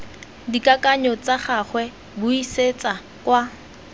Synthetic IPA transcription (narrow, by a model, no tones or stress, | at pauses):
dikʼakʼaɲɔt͡saχaχwɛ | bʊiset͡sʼa | kwa